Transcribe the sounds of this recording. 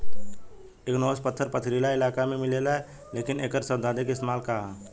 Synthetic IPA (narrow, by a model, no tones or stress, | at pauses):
eknoːspət̪ʰːəɾpət̪ʰɾiːlaɪlaːkamẽmɪleːlaɦɛ | leːkɪneːkəɾsəbd̪aːd̪ekɪst̪maːlkaɦaː